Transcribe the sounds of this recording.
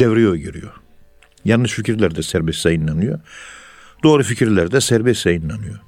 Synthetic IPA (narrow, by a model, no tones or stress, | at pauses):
evɾijojɟøɾḭjo | janːɯʃficʰiɾlʲæɾd̪ɛsæɾbɛst̪ɛinːanɯjo̰ | d̪oːɾɯficʰiɾlʲæɾd̪ɛsæɾbɛst̪ɛinːanɯjo